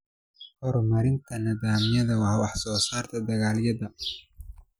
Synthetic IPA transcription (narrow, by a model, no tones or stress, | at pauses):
hɔɾmɐɾɪnt̪ʰɐnɐðaːmɪjɐðɐwɑhwɑħsɔːsaːrt̪ʰɐd̪ɐɣaːljɐðɐ